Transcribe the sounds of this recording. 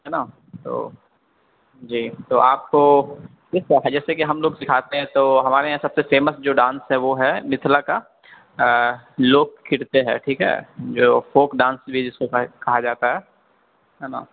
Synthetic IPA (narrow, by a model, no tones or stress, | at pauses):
ɦɛnaː | t̪o̰ː | d͡ʒiːt̪oaːp̚ko | kɪskaɦɛd͡ʒɛːsekiɦɐmloːɡsɪkʰaːt̪eɦɛ̃t̪oːɦɐmaːɾeɦãsɐbsefeːməsd͡ʒoːɖãːnsɦɛʋoɦɛmɪt̪ʰlaka | loːkkʰːɪɽt̪eɦɛ̰ːʈʰiːkɦɛ̰ːd͡ʒoːfoːkɖãːnsbʱid͡ʒɪskokɐɦad͡ʒaːt̪aɦɛː | ɦɛnã̰ː